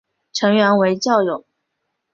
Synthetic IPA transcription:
ʈ͡ʂʰɤ˧˥ŋɥɛ˧˥nwe˧˥ɪt͡ɕjɑ˥˩ʊjʊ˨˩˦

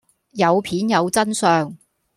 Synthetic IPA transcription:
jɐ˨˧wpʰiː˨˥njɐ˨˧wt͡sɐ˥nsœː˨˧ŋ

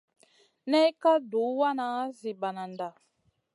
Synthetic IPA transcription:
nɛ˦ka˦du˨˦wa˦na˨˦zi˨ba˨na˨nda˨

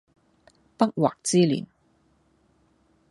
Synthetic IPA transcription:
pɐ˥k̚waː˨k̚t͡siː˥lḭː˨˩n

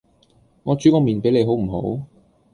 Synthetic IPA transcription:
ŋɔː˨˧t͡syː˨˥kɔː˧˥miː˨˩npe˨˥jle˨˧ɦo˨˥wm̩˨˩ɦo̰˨˥w

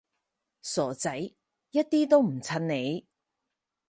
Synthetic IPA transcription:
sɔː˨˩t͡sɐ˨˥j | jɐ˥t̚t̪iː˥t̪o˥wm̩˨˩t͡sʰɐ˧nne˨˧j

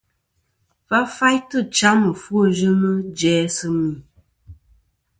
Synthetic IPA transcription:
va˦fa˦jtə˦˨t͡ʃa˦mə˨fu˦o˦˨d͡ʒə˦nə˦d͡ʒɛː˨˦sə˦mi˨

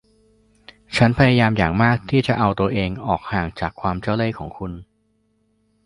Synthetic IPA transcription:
t͡ɕʰa˦˥npʰa˧ja˧jaː˧mjaː˨˩ŋmaː˥˩k̚t̪ʰiː˥˩t͡ɕa˨˩ʔa˧wt̪u˧ɐʔeː˧ŋʔɔː˨˩k̚haː˨˩ŋt͡ɕaː˨˩kʰwaː˧mt͡ɕa˥˩wleː˥˩kʰɔː˩˦ŋkʰu˧n

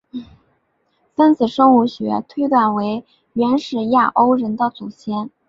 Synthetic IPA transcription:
fə˥nt͡sɹ̩˨˩ʂo˥ŋu˧˥ɕɥɛ̰˧˥t̪ʰwe˥ɪt̪wa˥˩nwe˧˥ɪ | ɥɛ˧˥nʂɻ̩˨˩ja˥˩ʔo˥ʊɻə˧˥nd̪ə˧t͡su˨˩ɕjɛ˥n

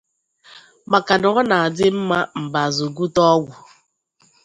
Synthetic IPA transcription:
ma˨ka˨dʊ˨ɣɔ˦na˨a˨dɪ˦m̩˦ma˦m̩˨ba˨zo˨ɡu˦tɔ˦ɡʷʊ˨

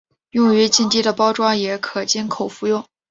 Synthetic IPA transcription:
jʊ˥˩ŋy˧˥t͡ɕi˥˧nt̪i˥d̪ə˨pɑ˥ʊʈ͡ʂwa˥jɛ˧˥kʰɤ˨˩t͡ɕi˥nkʰo˨˩ʊfu˥˧jʊ˥˩ŋ

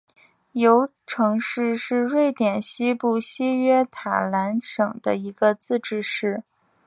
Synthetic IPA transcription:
jo˧˥ʊ | ʈ͡ʂʰɤ˧˥ŋʂɻ̩˥˧ʂɻ̩˥˧ɻwe˥˩ɪt̪jɛ˨˩nɕi˥pu˥˩ɕi˥ɥɛ˥t̪ʰa̰˨˩la˧˥nʂɤ˨˩ŋd̪̥ə˦i˧˥ɡ̥ə˧t͡sɹ̩˥˧ʈ͡ʂɻ̩˥˧ʂɻ̩˥˩

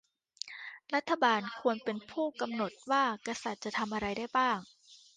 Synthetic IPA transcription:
ɾa˦˥t̪ʰːa˧baː˧nkʰu˧ənpe˧npʰuː˥˩ka˧mno˨˩t̪̚waː˥˩ka˧sa˨˩t̪̚t͡ɕa˨˩t̪ʰa˧mʔa˧ɾa˧jda˥˩jbaː˥˩ŋ

